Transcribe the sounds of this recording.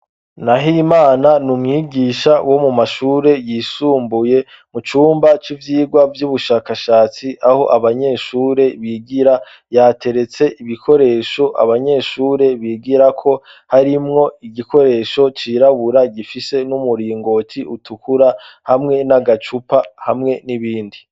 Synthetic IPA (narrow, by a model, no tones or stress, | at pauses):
naɦimaːnanumŋiːɡiːʃawʔo̞mumaʃuːɾe̞jiːsuːmbuje̞ | mut͡ʃuːmbat͡ʃivjiːɡwavjuβuʃaːkaʃaːt͡siʔaho̞ʔaβaɲe̞ːʃuːɾe̞βiːɡiɾa | jaːte̞ɾe̞t͡se̞ʔiβikʰo̞ɾe̞ːʃo̞ʔa̰βaɲe̞ːʃuːɾe̞βiːɡiɾakʰo̞ | haɾimŋo̞iɡiko̞ɾe̞ːʃo̞t͡ʃiːɾaβuɾaɡifise̞numuɾiːŋɡo̞tʰiʔutʰukuɾahamŋe̞naɡat͡ʃupahamŋe̞niβiːndi